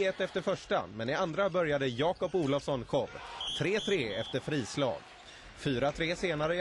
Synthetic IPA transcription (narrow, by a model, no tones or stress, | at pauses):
ɛt̪ːɛft̪əɾfœʂʈa̰mɛnɪand̪ɾabœɾjad̪əjɑːkɔpuːlɔfsɔnkʰɔbt̪ʰɾeːt̪ʰɾeːɛft̪əɾfɾiːslɑ̰ːɡ | fyːɾat̪ʰɾeːseːnaɾə